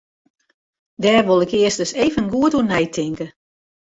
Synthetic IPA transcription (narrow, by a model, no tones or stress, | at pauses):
dɛːrʋolˠɪkɪəstəseːvənɡuətunɛjtʰɪŋkə